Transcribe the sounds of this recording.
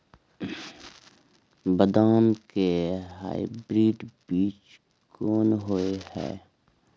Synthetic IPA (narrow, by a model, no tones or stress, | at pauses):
bəd̪aːmkeɦa̰ːibɾiːɖbiːt͡ʃ | kɔːnɦoehɛ̰ː